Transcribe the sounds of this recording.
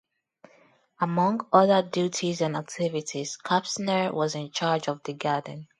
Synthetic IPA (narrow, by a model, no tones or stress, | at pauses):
əmʌ̃ŋɡʌðədjutʰizãnak̚tʰɪvɪtʰiz̥kʰapsnəɹwɔzɪ̃nt͡ʃʰaːd͡ʒɔvðəɡadⁿn̩